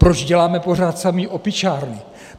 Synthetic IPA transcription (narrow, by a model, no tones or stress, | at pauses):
pɾod͡ʒɟɛlaːmɛpo̞r̝aːt̪samiʔopɪt͡ʃaːɾnɪ